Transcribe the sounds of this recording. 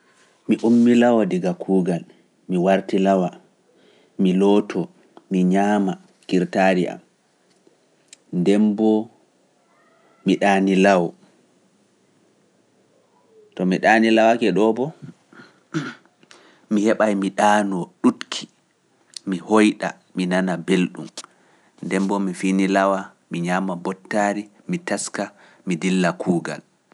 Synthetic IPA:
miʔumːilawɔdiɡakʰuːɡal | miwaɾtilawa | milɔtʰɔ | miɲama | kiɾtaːɾiʔa̰m | ndɛmbɔ | miɗanilawɔ | tɔmiɗaːnilawakɛɗɔbɔ | mihɛɓajmiɗaːnɔɗutkʰi̥ | mihojɗa̰ | minanabelɗṵm | ndɛmbɔmifinilawa | miɲaːmabɔtːaɾi | mitaska | midilːakʰuːɡa̰l

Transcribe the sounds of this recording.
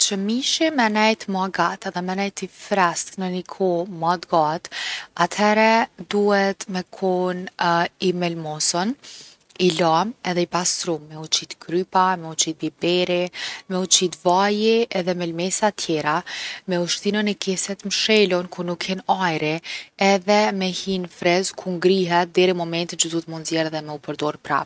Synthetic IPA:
t͡ʃəmiʃimɛnɛjt̪maɡat̪aðɛmɛnɛjt̪ifɾast̪nənikʰɔmad̪ɡat̪at̪ʰhɛɾɛd̪uhɛt̪mɛkʰɔnimɛlmɔsɔn | ilamɛðɛibast̪ɾumːɛut͡ʃit̪kɾypamɛut͡ʃit̪̚bibɛɾimɛut͡ʃit̪vajiɛðɛmɛlmɛsat̪ʰjɛɾamɛuʃt̪inənɛkɛsɛt̪mʃɛlɔnkunukʰːɛnajɾiɛðɛmɛhinfɾɛzkʰuŋɡɾiɦɛt̪̚d̪ɛɾimɔmɛnt̪int͡ʃəd̪ut̪munzjɛɾðɛmɛupəɾd̪ɔɾpɾa̰

